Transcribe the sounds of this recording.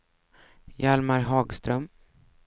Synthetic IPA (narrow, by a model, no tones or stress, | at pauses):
jalmaɾɦɑːɡst̪ɾœm